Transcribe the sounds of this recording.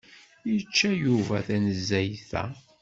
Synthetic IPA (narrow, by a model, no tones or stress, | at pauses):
jət͡ʃːæjuvæθænəzːæjθæ̰